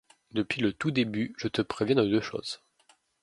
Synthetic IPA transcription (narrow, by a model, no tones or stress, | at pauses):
d̪əpɥilət̪ud̪ebyʒət̪əpχevjɛ̃d̪əd̪øʃo̰ːz̥